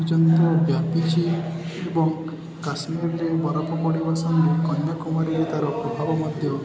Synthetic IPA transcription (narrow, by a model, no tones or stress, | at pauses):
d͡ʒɔnt̪ɔbjapit͡ʃʰi | ebɔŋ | kasmiɾɾebɔɾapɔkɔɽibasɔŋekɔɲːɔkumaɾiɾet̪aɾɔpɾɔbʱabɔmɔd̪ʱjɔ